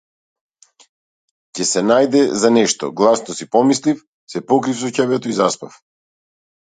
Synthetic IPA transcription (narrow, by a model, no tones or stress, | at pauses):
cɛsɛnajd̪ɛzanɛʃt̪ɔ̰ɡlˠasnɔsipɔmislif | sɛpɔkɾifsɔcabɛt̪oizaspaf